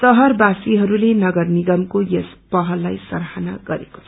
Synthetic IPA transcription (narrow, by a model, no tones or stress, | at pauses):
sʌɦʌrbasiɦʌɾulenʌɡʌrniɡʌmkojespʌɦʌlːajsʌɾɦanaɡʌɾḛko̥t͡sʰʌ